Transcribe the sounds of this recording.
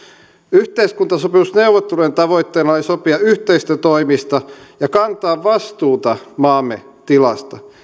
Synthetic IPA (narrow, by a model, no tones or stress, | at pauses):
yht̪eiskunt̪ɑsopeusneuʋːˑot̪ːelujent̪ɑʋoit̪ːeːnɑlesopiɑyht̪eist̪øt̪oimist̪ɑjɑkɑnt̪ɑːʋʋɑst̪uːt̪ɑmɑːmːḛ | t̪ilɑ̰st̪ɑ